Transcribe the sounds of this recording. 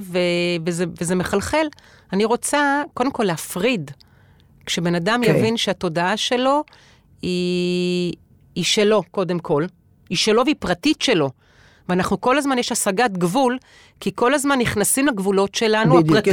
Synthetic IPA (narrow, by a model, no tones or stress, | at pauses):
vevezevezemeχalχe̞l | aniʁo̞t͡sako̞d̪emko̞leafʁid | kʃebe̞nadamjavinʃeato̞daaʃe̞lo̞ | i | ʃe̞lo̞ko̞de̞mkʰo̞l | iʃe̞lo̞veipʁatitʃe̞lo̞ | veaːnaχnuko̞lazmanjeʃasaɡat̪ɡvul | kiko̞lazmanːiχnasimlaɡvulo̞tʃe̞lanuaʁat